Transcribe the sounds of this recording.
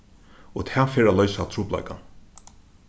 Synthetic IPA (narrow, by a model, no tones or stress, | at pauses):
ot̪ʰæːfeːɹalœʏsat̪ʰɾuːpla̰ɪka̰n